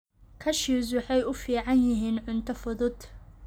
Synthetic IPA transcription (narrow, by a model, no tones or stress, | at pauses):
kʰɐʃis̬wɑħɑjʊfiːʕɑnjɪɦiːnʕʊnt̪ʰɐfʊðʊd̪